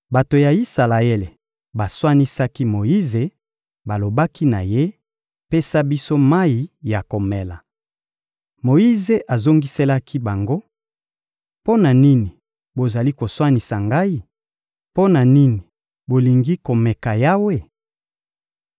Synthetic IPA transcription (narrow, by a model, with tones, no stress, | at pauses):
ba˨to˨ja˨i˦sa˨la˨e˦le˨ | ba˨swa˦ni˦sa˦ki˦mo˨i˦ze˨ | ba˨lo˨ba˦ki˦na̰˨je˦ | pe˦sa˦bi˦so˦ma˦i˨ja˨ko˨me˨la˨ | mo˨i˦ze˨ʔa˨zo˦ŋɡi˦se˦la˦kʰi˦ba˨ŋɡo˦ | po˦na˨ni˦ni˨ | bo˨za˨li˦ko˨swa˦ni˨sa˨ŋɡa˦i˦ | po˦na˨ni˦ni˨ | bo˨li˨ŋɡi˦ko˨me˨ka˨ja˦we˦